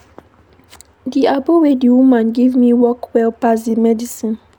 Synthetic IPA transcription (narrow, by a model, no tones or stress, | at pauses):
diabowediwumãnɡivmiwɔkwɛlpazimɛdisĩn